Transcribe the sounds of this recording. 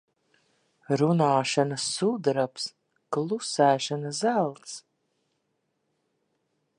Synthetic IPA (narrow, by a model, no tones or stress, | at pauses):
ɾunaːʃanasːud̪ɾaps | klˠusæːʃanazælˠt̪s